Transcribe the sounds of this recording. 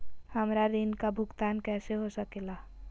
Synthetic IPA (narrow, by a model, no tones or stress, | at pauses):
həmɾad̪inkabʱʊɡt̪aːnkɛːseɦosəkeːlaː